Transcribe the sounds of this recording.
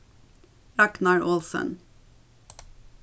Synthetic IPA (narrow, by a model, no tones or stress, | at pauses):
ɑknɑɹʔɔlsə̰n